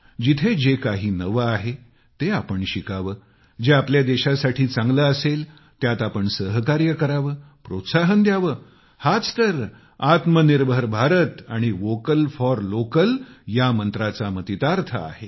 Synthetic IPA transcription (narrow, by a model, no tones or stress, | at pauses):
d͡ʑit̪ʰed͡ʑekaɦiːnəʋəaɦe | t̪eapəɳɕikaʋəː | d͡ʑeapljad̪eɕasaʈʰiːt͡sãŋɡləəsel | t̪jat̪apəɳsəɦkaɾjəkəɾaʋəː | pɾot̪saɦənd̪jaʋəː | hat͡st̪əɾ | at̪məniɾbʱəɾbʱaɾət̪aɽ̃iʋokəlfɔɾlokəljamənt̪ɾat͡samət̪it̪aɾt̪ʰə̰a̰he